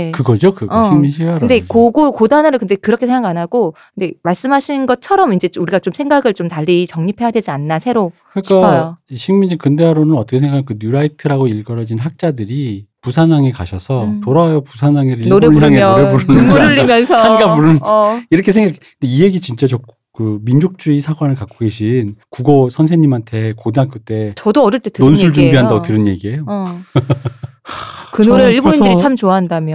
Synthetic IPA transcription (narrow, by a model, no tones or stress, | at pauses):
ekɯɡʌd͡ʑokɯɡʌɕʰiŋminɕʰiaɾɯnde̞koɡokodanaɾɯkɯnde̞kɯɾʌkʰesʰeŋɡaanaɡokɯnde̞maɭs͈ɯmɦaɕʰinnɡʌt͡ɕʰʌɾʌmind͡ʑe̞uɾiɡat͡ɕomsʰeŋɡaɡɯɭt͡ɕomtaʎːit͡ɕʌŋɲipʰe̞jadwe̞d͡ʑianːasʰe̞ɾokɯik͈aiɕʰiŋminɕʰikɯndeaɾonɯnʌt͈ʌkʰsʰeɡakʰkɯnuɾaitʰɯɾaɡoiɭɡʌɾʌd͡ʑinɦak̚t͡ɕ͈adɯɾipusʰanaŋika̰ɕʰʌsʰʌtoɾawajopusʰanaŋeɾioɾeoaŋeoɾepuɾɯnɯɾɯʎːimjʌnsʰʌt͡ɕʰanɡapuɾɯiɾʌkʰe̞s̬ʰeŋɡakʰ | ndeie̞ɡit͡ɕint͡ɕ͈at͡ɕo | kɯmind͡ʑok̚t͡ɕ͈uisʰaɡwanɯɭkak͈oɡe̞ɕ̬ʰinkuɡosʰʌnsʰeɲimantʰe̞kodɯnɦak͈ʰut͈e̞t͡ɕʌdoʌɾʌɭt͈etɯnonsʰuɭd͡ʑumbiɦandaotɯɾɯnje̞ɡie̞jo | kɯnɾɯiɭboindɾit͡ɕʰamt͡ɕoaɦandamjʌ